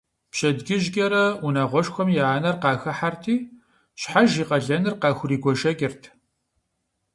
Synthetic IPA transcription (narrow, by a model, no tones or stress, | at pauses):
pʃɐdɡɪʒɡʲɐɾɐunaːʁʷɔʃxʷɔmjaːnɐrqɑːxɐħartʰiː | ɕħaʒiːqɐɮɐnɨrqɑːxʷʊriːɡʷɔʒɐɡʲɪrtʰ